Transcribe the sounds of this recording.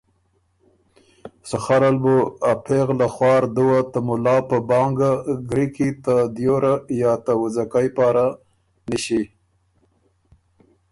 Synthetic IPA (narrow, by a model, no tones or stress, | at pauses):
saxaɾalbuapʰeɣlaxwɑːɾd̪uwat̪amʊlɑpəbɑŋɡaɡɾikit̪ad̪joɾajɑt̪awʊzakajpɑːɾa | niʃi